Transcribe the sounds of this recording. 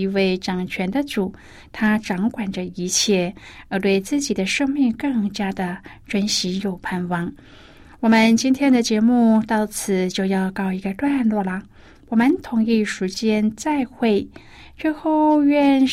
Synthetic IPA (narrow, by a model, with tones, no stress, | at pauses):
i˧˥we˥˩ɪʈ͡ʂɑ˨˩ŋt͡ɕʰɥɛ˧˥nd̪ə˧ʈ͡ʂu˨˩˦ | t̪ʰa˥ʈ͡ʂɑ˧˥ŋkwa˨˩nʈ͡ʂə˧˦i˧˥t͡ɕʰjɛ˥˩ə˧˥t̪we˥˧ɪt͡sɹ̩˥˩t͡ɕi˨˩d̪ə˦ʂɤ˥˧ŋmi˥˧ŋkɤ˥˩˧ŋt͡ɕja˥d̪ə˨ʈ͡ʂwə˥nɕi˧˥jo˨˩ʊpʰa˥˩nwɑ˥˩ŋ | wɔ˨˩mə˧˦nt͡ɕi˥nt̪ʰjɛ˥nd̪ə˨t͡ɕjɛ˧˥mu˥˧t̪ɑ˥˩ʊt͡sʰɹ̩˨˩t͡ɕjo˥˧ʊjɑ˥˧ʊkɑ˥˩ʊi˧˥ɡə˧t̪wa˥˧nlwɔ˥˩lə˩ | wɔ˨˩mə˧˦nt̪ʰʊ˨˩˥ŋi˥˩ʂu˧˥t͡ɕjɛ˥nt͡sa˥˧ɪxwe˥˩ɪ | t͡ɕɥɛ˥˧xo˥˧ʊɥɛ˥˧n